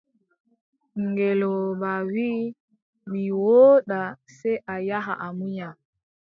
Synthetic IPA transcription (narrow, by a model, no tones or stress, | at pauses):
ŋɡɛlɔbawi | ɓiwoːɗasɛʔajaɦa̰ʔamuɲa